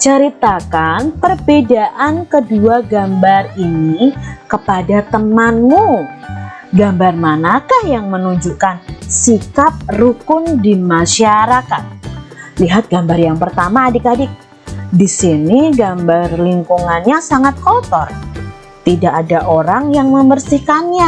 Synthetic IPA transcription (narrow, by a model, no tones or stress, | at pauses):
t͡ʃəɾit̪akanpərbedaʔankəduaɡambarinikəpadat̪əmanmu | ɡambarmanakahjaŋmənuɲd͡ʒukansikap̚rukʊndimaʃaɾakat̪̚liɦat̪̚ɡ̥ambarjaŋpərt̪amaːdikadi | disiniɡambarliŋkuŋanɲasaŋat̪̚kot̪ɔr | t̪idaʔːdaʔoɾaŋjaŋməmərsihkanɲa